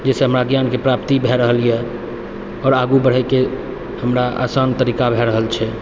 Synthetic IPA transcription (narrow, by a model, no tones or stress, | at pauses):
d͡ʒɛseɦəmɾaɡjankepɾapt̪ibʱɛɾəɦəliɛ | ɔːɾaɡubəɽ̤əke | həmɾaʔa̰sant̪əɾikabʱɛɾəɦəlt͡ʃʰɛ